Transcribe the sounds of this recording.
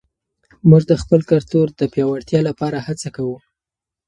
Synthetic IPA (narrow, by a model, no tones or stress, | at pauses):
muʐd̪əxpəlkaɾt̪oɾd̪əpjɑwaɽt̪jɑlapɑɾahat͡sakawu